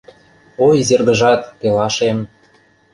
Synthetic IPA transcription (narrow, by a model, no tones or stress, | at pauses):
ojzerɡə̆ʒɑt̪̚pelɑʃem